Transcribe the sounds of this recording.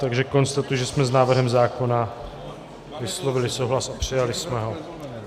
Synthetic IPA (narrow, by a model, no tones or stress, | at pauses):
t̪aɡʒɛko̞nst̪at̪ujuʒɛsmɛznaːvr̩ɦɛmzaːko̞na | vɪslo̞vɪlɪsowɦlasapr̝̥ɪjalɪsmɛɦo̞